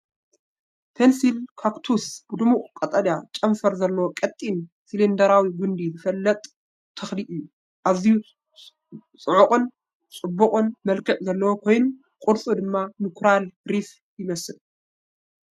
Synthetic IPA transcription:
pʰensilkʰakt̪ʰusb̥ɨd̪ɨmukʼkʼɐt̪ʼɐd̪at͡ʃʼɐmfɐɾzɐlːɐwokʼɐt̪ʼːin | silind̪ɐɾawiɡund̪izɨfɐlːɐt̪ʼ | t̪ʰɐxliʔɨjːu | ʔaβziju | t͡sʼɨʕukʼɨn | t͡sʼɨbːukʼɨnmɐlkʰɐʕzɐlːɐwokʰo̞jnu | kʼʊɾt͡sʼud̪ɨmːamɨkʰɾalɾif | jɪmɐsɨl

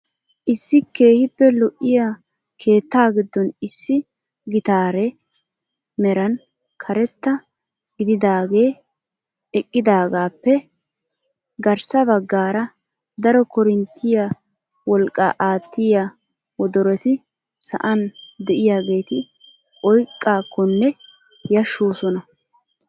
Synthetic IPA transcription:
ʔɪsːɪke̞ːhɪpːɛlɔʔːɪja | kʰe̞ːt̪ːaːɡɪd̪ːɔnɪsːɪ | ɡɪt̪aːɾɛ | mɛɾɐn | kʰɐɾɛt̪ːɐ | ɡɪd̪ɪd̪aːɡe̞ː | ɛkʼːɪd̪aːɡaːpːɛ | ɡɐɾsɐbɐɡːaːɾɐ | d̪ɐɾɔkɔɾɪnt̪ːɪja | wɔlkʼːa̰ːʔaːt̪ːɪja | wɔd̪ɔɾɛt̪ɪ | sɐ̰ʔɐnd̪ɛʔɪjaːɡe̞ːt̪ɪ | ʔɔjkʼːaːkːɔnːɛ | jɐʃːoːsɔnɐ

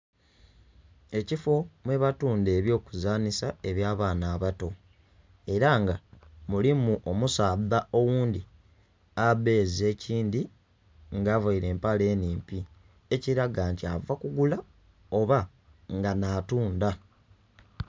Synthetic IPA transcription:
e̞cifo̞mwe̞βatuːnde̞ːβjo̞ːkuzaːnisae̞βjaːβaːnaːβato̞ | e̞ɾaŋɡamulimuʔomusaːðaʔo̞wuːndi | aβe̞ːze̞ːciːndi | ŋɡaːvaiɾe̞ːmpale̞ːniːmpi | e̞ciɾaɡaːntia̰vakuɡula | o̞βa | ŋɡanaːtuːnda

